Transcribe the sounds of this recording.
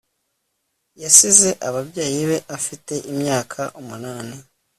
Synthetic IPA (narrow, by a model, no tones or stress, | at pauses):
jasize̞ʔaβaβjaːjiβe̞ʔafite̞ʔimɲaːkʰaʔumunaːni